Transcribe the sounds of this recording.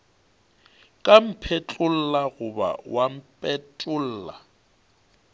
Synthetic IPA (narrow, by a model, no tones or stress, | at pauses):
kʼam̩pʰet͡ɬʼʊl̩laɣʊba̰wam̩pʼɛt͡ɬʼʊl̩ːla